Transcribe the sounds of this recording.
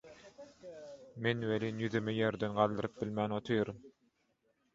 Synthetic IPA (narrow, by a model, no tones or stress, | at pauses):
menwelinjyðymejeɾd̪enɢɑlˠd̪ɯɾɯp̚bilmæːnot̪ʰɯjɯɾɯm